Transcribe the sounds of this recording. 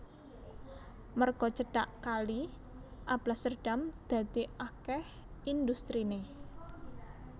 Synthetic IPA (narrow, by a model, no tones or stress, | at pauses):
mərɡ̥ɔt͡ʃəɖaʔkali | ʔab̥lasərɖ̥amd̪̥a̤d̪̥iʔakɛh | ind̪ust̪ɾine